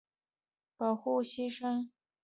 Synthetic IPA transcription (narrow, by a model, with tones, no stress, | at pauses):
pɑ˨˩ʊxu˥˩ɕi˥ʂə˥ŋ